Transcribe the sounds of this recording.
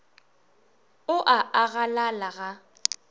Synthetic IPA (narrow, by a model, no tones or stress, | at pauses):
ʊʔaʔaɣalalaɣa